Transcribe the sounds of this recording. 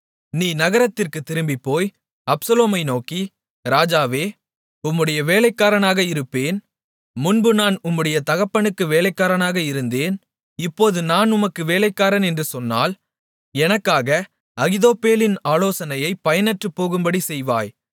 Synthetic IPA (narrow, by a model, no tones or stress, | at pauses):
niːnɐɣɐɾɐt̪ːɪrkɯt̪ːɪɾɯmbipːoːj | ɐpsɐloːmɐɪnoːki | ɾaːd͡ʒaːʋeː | ʊmːɯɽɐjɐʋeːlɐɪkːaːɾɐnaːɣɐɪɾɯpːeːn | mʊnbɯnaːnʊmːɯɽɐjɐt̪ɐɣɐpːɐɳɯkːɯʋeːlɐɪkːaːɾɐnaːɣɐɪɾɯnd̪eːn | ɪpːoːðɯnaːnʊmɐkːɯʋeːlɐɪkːaːɾɐnɛndrɯsɔnːa̰ːl | ɛnɐkːaːɣɐ | ɐɣɪðoːpːeːlɪnaːloːsɐnɐjɐɪpːɐjɐnɐʈrɯpːoːɣɯmbɐɽisɛjʋa̰ːj